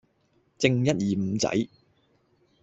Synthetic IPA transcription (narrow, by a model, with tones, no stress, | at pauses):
t͡sɪ˧ŋjɐ˥t̚jiː˨m̩˨˧˦t͡sɐ̰˨˥j